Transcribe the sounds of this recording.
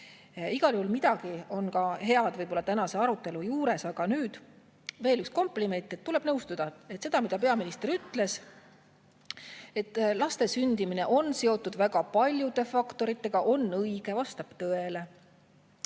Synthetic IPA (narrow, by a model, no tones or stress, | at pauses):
iɡ̥ɑljuhulmid̪̥ɑɡ̥io̞nkɑɦe̞ɑd̪vɤjb̥o̞lːɑt̪ænɑse̞ɑɾut̪ːˑe̞lujuːɾe̞sɑɡ̥ɑnyːd̪̥ | ve̞ːlyksko̞mpˑlime̞nt̪ˑːe̞t̪ːule̞b̥nɤwst̪ud̪̥ɑet̪ːse̞d̪̥ɑmid̪ɑpe̞ɑminist̪e̞ɾyt̪ːˑle̞s | e̞t̪ːˑlɑst̪e̞synd̪̥imine̞ʔo̞nse̞o̞t̪ːˑud̪̥væɡ̥ɑpɑlʲjud̪̥e̞fɑkt̪o̞ɾit̪ːˑe̞ɡ̥ɑʔo̞nːɤiɡ̥e̞vɑst̪ɑb̥t̪ɤele̞